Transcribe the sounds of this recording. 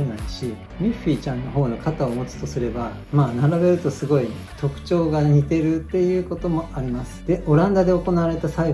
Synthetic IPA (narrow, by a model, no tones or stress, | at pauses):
enaiɕi | mʲiɸʲiːt͡ɕãnːo̞ɦo̞ːno̞kat̪aomo̞t͡sɨ̥t̪o̞sɨɾe̞ba | maːnaɾabe̞ɾɯ̟t̪o̞sɨɡo̞i | t̪o̞kɯ̟̥t͡ɕo̞ːɡaɲ̟it̪e̞ɾɯ̟t̪ːe̞jɯ̟ːko̞t̪o̞mo̞ʔaɾʲimasɨ̥d̪̥e̞ʔo̞ɾãnd̪ad̪e̞o̞ko̞naβaɾe̞t̪asai